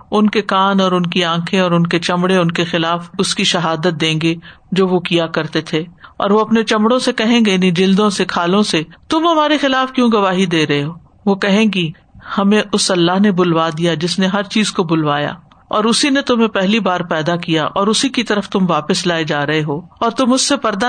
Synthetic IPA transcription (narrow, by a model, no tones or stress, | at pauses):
ʊnkekaːnɔːɾʊnkiãːkʰẽɔːɾʊnket͡ʃɐ̃mɽeʊnkexɪlaːfʊskiʃɐɦaːd̪ət̪̚d̪ẽːŋɡe | d͡ʒoːʋokijakɐɾt̪et̪ʰeːɔ̰ːɾʋoɐpnet͡ʃɐ̃mɽõsekɐɦẽːɡenĩd͡ʒɪld̪õsekʰaːlõset̪ʊmɦɐmaːɾexɪlaːfkjõːɡɐʋaːɦid̪eːɾɐɦeɦoː | ʋoːkɐɦẽːɡi | hɐmẽʔʊsɐlːaɦnebʊlʋad̪ijad͡ʒɪsneɦɐɾt͡ʃiːzkobʊlʋaːja̰ː | ɔːɾʊsinet̪ʊmɦẽpɛɦlibaːɾpɛːd̪akijaʔɔːɾʊsikit̪ɐɾəft̪ʊmʋaːpəslaːed͡ʒaːɾɐɦeɦoːɔːɾt̪ʊmʊd͡ʒsepɐɾd̪a